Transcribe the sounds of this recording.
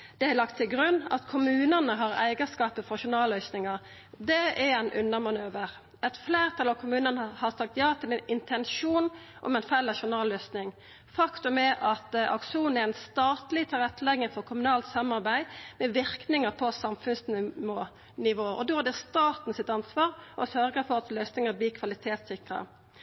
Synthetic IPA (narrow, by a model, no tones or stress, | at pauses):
d̪̥ɛælɑkt̪ʰːɪlɡɾʉnːɑ̰t̪kʰʊmʉːnənəɦɑɾæ̰ɪɡəskɑːpəfɔɾʃʊnɑːlœʏsnɪŋɑɾ | d̪ɛɛɾæɪnʔʉ̰nːəmɑnøːʋəɾ | ɛt̪fleːɾt̪ʰɑlɑʋkʰʊmʉːnənhɑɾsɑk̚t̪jɑːt̪ʰɪlɛnɪnt̪ʰɛnʃuːnʔɔ̰mɛnfælːəʃʊnɑːlːœsnɪŋ | fɑkt̪ʉmɛʔɑt̪ɑ̰kʂuːnn̩ɛɾɛɪnst̪ɑːt̪lɪt̪ʰɑɾɛt̪ʰːlɛɡəfɔɾkʰʊmʉnɑːlt̪sɑmɑɾbæɪmɛʋɪɾknɪŋəpʰɔsɑmfʉnsnɪmoː | nɪʋoːɔ̰d̪oːhɑd̪ɛst̪ɑːt̪n̩sɪt̪ɑnsʋɑːɾʔɔsœɾɡəfɔɾɑt̪lœʏsnɪŋəbliːkʰʋɑlɪt̪ʰeːt̪sɪkʁə̰